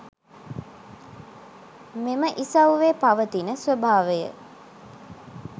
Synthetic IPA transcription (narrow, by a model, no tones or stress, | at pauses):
meməʔisɐwʋeːpɐʋət̪inəsʋəbʱaːʋəjə̰